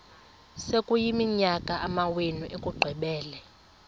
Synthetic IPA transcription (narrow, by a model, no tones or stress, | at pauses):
sekʼujimiɲakʼaʔamawenuʔekʼuɡ͡ǃʱwɛɓɛːlɛ